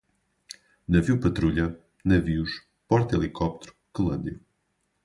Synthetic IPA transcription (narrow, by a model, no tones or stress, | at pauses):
nɐviwpɐt̪ɾuʎɐ | nɐviuʃ | pɔɾt̪elˠikʰɔp̚t̪ɾu̥kɨlˠɐ̃nd̪jɐ